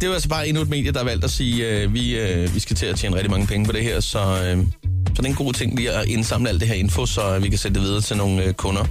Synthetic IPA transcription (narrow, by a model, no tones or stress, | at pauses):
d̥e̝ʋɑælsɒb̥ɑ̈ːe̝nued̥̚me̝ːd̥jəd̥ɑhɑʋæl̰d̥æsiːøʋi | øʋisɡ̥æt͡sʰe̝æt͡ɕʰjḛːnʁɛɡ̚dimɑ̈ŋəpʰeŋəpʰɒ̽ɾ̥e̝ɦɛɐ̰sɒ̽ | sɒ̽d̥enɡ̥o̝̰ːt͡sʰe̝ŋ̰liːæʔe̝nsɑ̈m̰ləæl̰d̥e̝ɦeɐ̰e̝nfo̝sɒ̽ʋikʰæsenəd̥e̝ʋið̞ˠɐːt͡sʰe̝lno̝ːn̩økʰɔ̽nɐ